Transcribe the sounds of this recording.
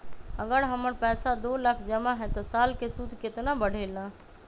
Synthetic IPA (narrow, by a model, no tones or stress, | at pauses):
əɡəɾɦəməɾpɛːsad̪oːləkʰd͡ʒəmaɦɛ̃t̪ɔsaːlkesud̪ʱkɪt̪nabəɽ̤ʱeːlãː